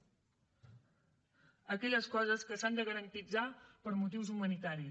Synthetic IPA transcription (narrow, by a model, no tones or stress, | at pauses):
əkɛʎəskɔzəskəsand̪əɣəɾənt̪id͡zapəɾmut̪̬iwzumənit̪aɾi